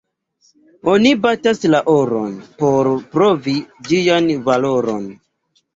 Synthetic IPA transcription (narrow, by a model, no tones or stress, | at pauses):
o̞nibataslaʔoɾo̰npo̞ɾpɾo̞vid͡ʒijanvalo̞ɾo̞̰n